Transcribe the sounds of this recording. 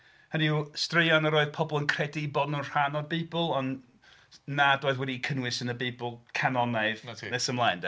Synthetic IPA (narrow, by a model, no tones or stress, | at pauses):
həniustrɪjɔnəɾoːɨð̥pʰɔbɔlˠənkʰr̥ɛdiːbɔdnunr̥anɔdbiːbəlˠɔnː | adoːɨðwɛdikʰənwɪsənəbiːbəlˠkʰanɔnaɨðʰnɛsəmlˠajnd